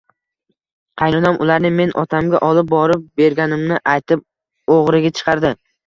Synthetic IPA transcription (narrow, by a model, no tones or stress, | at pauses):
qʰɑjnɒnamʔʊlaɾnɪme̞nʔɒ̰t̪ʰamɡʲa̰ʔɒlˠɪp̚bɒɾɪp̚be̞ɾɡʲanɪmnɪʔajt̪ʰɪp̚ | oʁɾɪɡʲat͡ʃʰɨ̥qʰɑɾd̪ɪ